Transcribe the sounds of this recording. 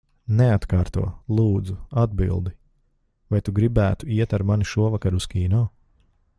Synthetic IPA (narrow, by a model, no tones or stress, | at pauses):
nɛat̪kaːɾt̪ṵɔlˠuːd̪zuad̪̚bḭlˠd̪i | vajt̪uɡɾibæːt̪uiɛt̪aɾmaniʃuɔvakaɾuskʲiːnɔː